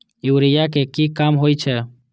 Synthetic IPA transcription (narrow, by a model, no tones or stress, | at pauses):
juːɾɪjak̬ekiːkaːmɦoːit͡ʃʰɛː